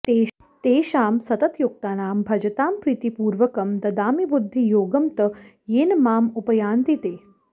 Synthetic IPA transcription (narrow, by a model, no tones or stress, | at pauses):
t̪eː | t̪eːʃaːmsɐt̪ɐt̪juk̚t̪aːnaːmbʱɐd͡ʒɐt̪aːmpɾit̪ipuːɾʋɐkɐmd̪ɐd̪aːmibud̪ʱːijoːɡɐmt̪ɐ | jeːnmaːmupɐjaːnt̪it̪eː